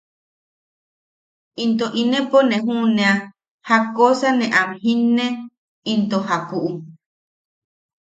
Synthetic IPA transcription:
int̪oʔinẽponẽɦũnẽa | hakosanẽʔamɦinːẽ | int̪oɦapuʔu

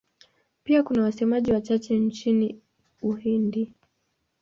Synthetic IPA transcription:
piakunawasɛmaʄiwat͡ʃat͡ʃɛnt͡ʃini | uhindi

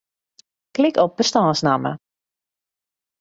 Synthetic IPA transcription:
klɪkɔp̚b̥əstɔːsnamə̰

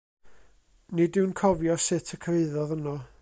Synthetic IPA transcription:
nidɪwnkʰɔvjɔsɪtʰəkʰreɨðɔðənɔ

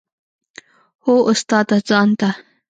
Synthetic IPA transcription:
hoʊst̪ɑːt̪azɑːnt̪a

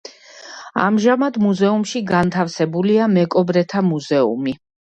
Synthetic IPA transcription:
a̰mʒamad̪muzɛumʃiɡant̪ʰafsɛbuliamɛkʼɔbɾɛt̪ʰamuzɛṵmi

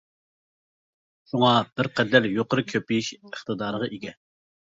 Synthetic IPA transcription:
ʃuŋɑb̥ɪɾqʰɛd̪ɛɾjoqəɾɨkʲʰøpijiʃəχt̪ɨd̪ɑːɾəʁɑʔiɡʲɛ

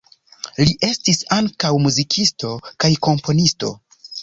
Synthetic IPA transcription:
liʔe̞stisaŋkawmuzikʰisto̞kajko̞mpʰo̞nisto̞̰

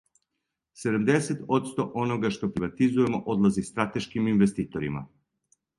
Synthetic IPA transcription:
sɛd̪umd̪ɛsɛt̪ɔt̪st̪ɔʔɔnɔɡaʃt̪ɔpɾivat̪izuɛmɔʔɔd̪lˠazist̪ɾat̪ɛʃkiminvɛst̪it̪ɔɾima̰

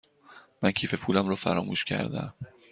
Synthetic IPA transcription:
mæncʰiːfe̞pʰuːlæmɾɒːfæ̰ɾɒːmuːʃcʰæ̰ɾd̪æ̰m

